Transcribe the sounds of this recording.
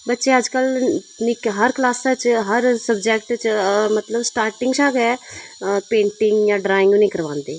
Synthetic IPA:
bətːʃeəd͡ʒkəl | nikɦəɾklaːsət͡ʃɦəɾsəbd͡ʒɛːkʈt͡ʃmət̪ləbsʈaːɾʈɪ̃ŋɡt͡ʃʰaːɡɛ | pẽːɳʈɪŋɡjaːɖɾaːɪ̃ŋɡjonĩːkəɾʋãːnd̪eː

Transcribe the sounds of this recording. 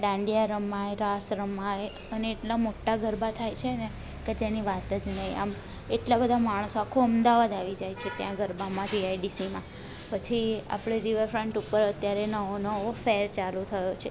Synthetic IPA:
ɖãɳɖijaɾəmːaeɾasɾəmːae | əneːʈlamoʈːaɡʱəɾbat̪ʰajt͡ʃʰene | ked͡ʒeniʋat̪əd͡ʒnəɦĩa̰m | eʈlabəd̪ʱamaɽ̃soakʰoəmd̪aʋad̪aʋid͡ʒajt͡ʃʰet̪jãɡəɾbamãd͡ʒiajɖisimã | pət͡ʃʰia̰pɽ̃eɾiʋəɾfɾəɳʈupəɾət̪jaɾenəɦonəɦʋofeɾt͡ʃalut̪ʰəjot͡ʃʰe

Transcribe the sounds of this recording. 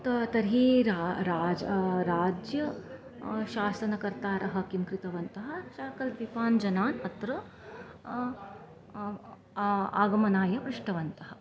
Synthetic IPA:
t̪ɐt̪ɐɾɦiːɾaɾaːd͡ʒɐɾaːd͡ʒjɐ | ʃaːsɐnɐkɐɾt̪aːɾʔɐɦɐ̆kimkɾit̪ɐʋɐnt̪ɐɦɐ̆ʃaːkɐlt̪ʋipaːnd͡ʒɐnaːnɐt̪ɾɐ | a̰ːɡɐmɐnaːjɐpɾuʂʈɐʋɐnt̪ɐɦɐ̥̆

